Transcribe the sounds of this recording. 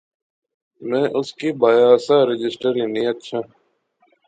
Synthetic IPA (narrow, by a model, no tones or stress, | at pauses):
mɛ̃ːʔʊskiːbaːjaːsaːɾɪd͡ʒɪsʈəɾĩːnĩːətːʃʰaː